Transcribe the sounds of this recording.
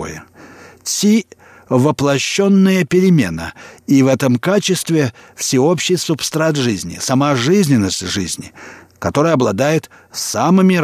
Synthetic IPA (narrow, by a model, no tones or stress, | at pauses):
jə̰sʲi | vəplˠɐɕːo̞nːɨjəpʲɪɾʲɪmʲḛnə̰ivɛt̪əmkat͡ɕɪst̪vʲɪ | fsʲɪo̞pɕːɪjsʊpst̪ɾat̪ʐɨzʲnʲɪ̰sɐmaʐɨzʲnʲɪnːəsʲtʲʐɨzʲnʲɪ | kɐt̪o̞ɾəjəɐblˠɐd̪ajɪt̪ | samɨmʲɪ